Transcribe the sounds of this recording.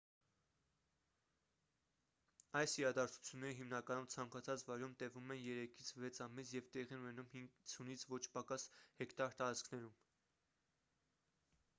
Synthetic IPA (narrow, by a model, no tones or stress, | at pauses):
ɑjsiɾɑd̪ɑɾt͡sʰu̥t͡sʰjunːɛɾəɦimnɑkɑnumt͡sʰɑŋkɑt͡sʰɑt͡svɑjɾumt̪ɛvumɛnjɛɾɛkʰit͡sʰvɛt͡sʰɑmisjɛvt̪ɛʁiɛnunɛnumhiŋɡt͡sʰunit͡sʰvɔt͡ʃʰpɑkɑshɛkt̪ɑɾt̪ɑɾɑt͡skʰnɛɾum